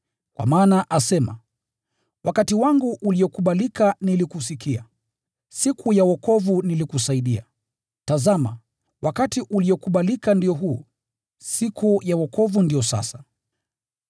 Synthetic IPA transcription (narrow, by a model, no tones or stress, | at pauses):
kwʔa̰maːnaʔasɛma̰ | wʔakatiwaŋɡuʔuliɔkuɓalikanilikusikia̰ | sikʰujawɔkɔvunilikusaiɗia̰ | tazama̰ | wʔakatiʔuliɔkuɓalikandijɔɦuː | sikʰujawɔkʰɔvundiɔsa̰sa